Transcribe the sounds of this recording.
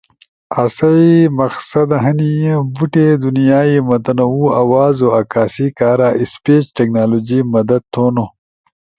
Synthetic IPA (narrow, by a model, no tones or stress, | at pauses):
ɐsɐimɐxsɐd̪ɐɦɐnijẽbuʈed̪unijaːimɐd̪ɐnouawaːzoakaːsikaːɾaʔispeːt͡ʃʈeknaːloːd͡ʒimɐd̪ɐd̪̚t̪ʰːoːno